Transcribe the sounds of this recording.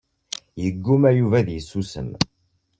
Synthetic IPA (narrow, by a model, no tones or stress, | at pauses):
jəɡːumæjuvæðjəsːusə̰m